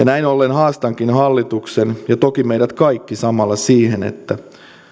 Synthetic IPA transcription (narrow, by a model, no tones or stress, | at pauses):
jɑnæinolːenhɑːst̪ɑŋkinhɑlːit̪uksenjɑt̪okimeiɾæt̪kɑikːisɑmɑlːɑsiːhenḛt̪ːæ